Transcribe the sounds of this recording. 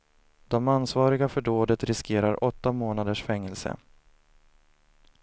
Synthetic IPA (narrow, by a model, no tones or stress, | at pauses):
d̪ɔmanːsvɑːɾɪɡafœɖoːd̪ət̪ɾɪskʰeːɾaɾʔɔt̪ːamoːnad̪əʂfɛŋːɛlsə̰